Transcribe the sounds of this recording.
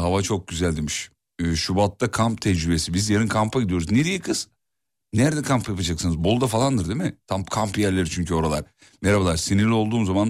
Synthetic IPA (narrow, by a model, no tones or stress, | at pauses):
havat͡ʃʰo̞k̚ɟyzælʲd̪emiʃː | ʃubat̪ːakʰamp̚t̪ʰɛd͡ʒɾybe̞sibizjeɾɯnkʰampʰaɟid̪ijo̞ɾuzneɾijɛkʰɯz̥ | næɾed̪ɛkʰampjapad͡ʒaksɯnɯzbo̞lˠd̪afalˠand̪ɯɾd̪emɪt̪ʰampkʰampjæɾlʲeɾit͡ʃʰyɲcʰyo̞ɾalˠaɾ | meɾabalˠaɾsiniɾlʲio̞lˠd̪uːmzaman